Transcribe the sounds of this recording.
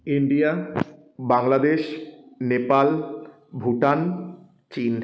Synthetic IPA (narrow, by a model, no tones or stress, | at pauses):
iɳɖia | baŋlad̪eʃnepal | bʱuʈan | t͡ɕin